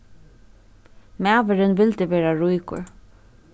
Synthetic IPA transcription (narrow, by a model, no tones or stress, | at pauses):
mæːʋɪɾɪnʋɪlt̪ɪʋɛːɾaɹujkʊ̰ɹ